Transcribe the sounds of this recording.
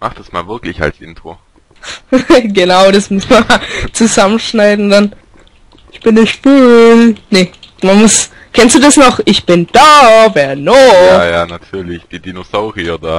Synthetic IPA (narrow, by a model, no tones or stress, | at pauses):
maχd̥asmaːlvɪɐklɪça̰lsʔɪ̰ntʁ̥o̰ | ɡənaʊɾasmʊsmɐt͡suzamənʃnaɪdn̩d̥an | ʔɪçb̥ɪnɪçfyːnemanmʊs | kʰɛnstd̥uːdasnɔχʔɪçb̥ɪnd̥aːvɛːɐnojaːjaːnatʰyːɐlɪçd̥iːdinosaʊʁiɐdaː